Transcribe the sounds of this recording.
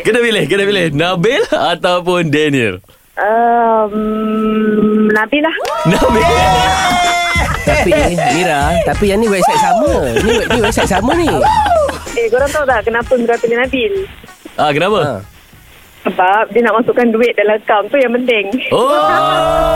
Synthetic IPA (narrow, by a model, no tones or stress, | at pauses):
kənabilɪhkənabilɪhnabelat̪awpʊndɛniə̰r | ʔəm | nabilahnabe | t̪apimiɾat̪apijaniwɛsajsaməniwɛniwɛsaj̚saməni | ekuɾaŋt̪aut̪aʔkənapʊnbəɾapilihnabɪlʔakənapa | səbap̚diənaʔmasuʔkːanduɪt̪̚dalaəkamt̪ujaŋpənt̪ɛŋo